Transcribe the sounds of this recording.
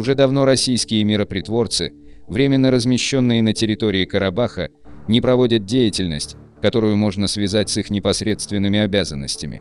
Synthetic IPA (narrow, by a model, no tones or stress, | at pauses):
ʊʐɛd̪ɐvno̞ɾɐsʲijskʲɪjəmʲɪɾəpɾʲɪt̪vo̞rt̪sɨvɾʲemʲɪnːəɾəzmʲɪɕːo̞nːɨjənətʲɪɾʲɪt̪o̞ɾʲɪɪkəɾɐbaxə̰ | nʲɪpɾɐvo̞dʲət̪̚dʲejɪtʲɪlʲnə̰sʲtʲ | kɐt̪o̞ɾʊjʊmo̞ʐnəsvʲɪzat̚ʲsixnʲɪpɐsɾʲe̞t̪st̪vʲɪnːɨmʲɪɐbʲazənːə̰sʲtʲɪmʲɪ̰